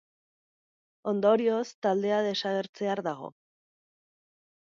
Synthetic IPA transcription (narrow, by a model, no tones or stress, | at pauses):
o̞nd̪o̞ɾio̞st̪ald̪e̞aðe̞saɣ̞e̞ɾt͡se̞aɾðaɣ̞o̞̰